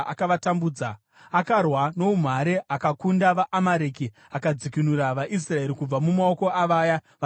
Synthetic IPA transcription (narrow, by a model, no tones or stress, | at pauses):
ʔa̰kaʋatambuːd͡za | akarwano̞um̤aɾeʔakakundaʋaʔamaɾeːki | akad͡zikinuraʋaʔis̬rae̞ɾikub͡vamumaoko̞ʔaʋaːjaʋ